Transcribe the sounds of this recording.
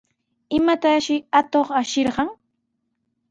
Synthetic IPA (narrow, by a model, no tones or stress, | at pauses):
ɪmat̪aʃɪat̪oχaʃɪɾɢɑŋ